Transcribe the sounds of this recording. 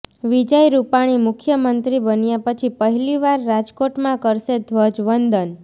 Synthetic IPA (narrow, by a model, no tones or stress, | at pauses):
ʋid͡ʒəjɾupaɽ̃imʊkʰjəmənt̪ɾibənjapət͡ʃʰipəɦiliʋaɾːad͡ʒkoʈmãkəɾʃed̪ʱʋəd͡ʒʋənd̪ən